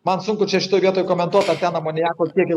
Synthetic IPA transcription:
mɐnsʊŋkʊt͡ʃʲɛʃʲɪ̥t̪oːjʋʲiɛt̪oːjkoːmʲɛnt̪uɔt̪ɐɾt̪ʲæːnɐmoːnʲɪjæːkoːk̪ʲiɛkjɛ

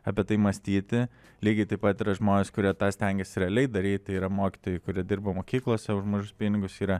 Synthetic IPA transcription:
ɐpʲiɛt̪ɐɪmɐsʲt̪ʲiːt̪ʲɪ | lʲiːɡʲɪt̪ɐɪpɐt̪iːɾɐʒmoːnʲɪskʊɾʲiɛt̪ɑːsʲt̪ʲɛŋʲɡʲɛsʲɪɾʲɛɐlʲɛɪd̪ɐɾʲiːt̪ʲiːɾɐmoːkʲɪ̥t̪oːjɛɪkʊɾʲiɛd̪ʲɪrbɐmoːkʲiːklˠoːsʲɛʊʒmoːʒʲʊspʲinʲɪɡʊsiːɾɐ

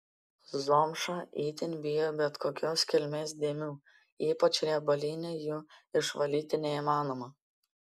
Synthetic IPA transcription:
zoːmʃɐʔiːt̪ʲɪnʲbʲɪjobʲɛt̪koːkʲoːskʲɛlʲmʲeːsd̪ʲiːmʲuː | iːpɐt͡ʃʲɾʲɛbɐlʲiːnʲejuːɪʃʋɐlʲiːt̪ʲɪnʲɛiːmɑːnoːmɐ

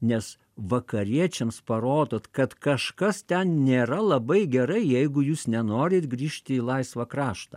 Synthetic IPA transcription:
nʲɛs | ʋɐkɐɾʲiɛt͡ʃʲɛmspɐɾoːd̪oːt̪kɐt̪kɐʃkɐst̪ʲɛnnʲeːɾɐlˠɐbɐɪɡʲɛɾɐɪjɛɪɡʊjuːsnʲɛnoːɾʲeːt̪ɡɾʲiːʃʲt̪ʲɪiːlˠɐɪsʋɐkɾɑːʃt̪ɐː

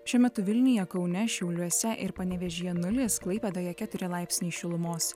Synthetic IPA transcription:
ʃʲuɔmʲɛt̪ʊʋʲɪlʲnʲɪjɛkɒʊnʲɛʃʲɛʊlʲuɔsʲɛʔɪɾpɐnʲɛʋʲɛʒʲijɛnʊlʲeːsklˠɐɪpʲeːd̪ɐjɛkʲæːt̪ʊɾʲɪlˠɑɪpʲsʲnʲiːʃʲɪlˠʊmoːs

